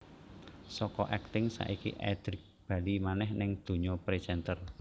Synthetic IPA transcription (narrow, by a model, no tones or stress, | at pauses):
sɔkɔʔɛk̚t̪ɪŋsa̰ʔikḭʔɛ̰d̪̥ɾɪk̚b̥a̤limanɛhnɪŋd̪̥o̤ɲɔpɾed͡ʒɛnt̪ər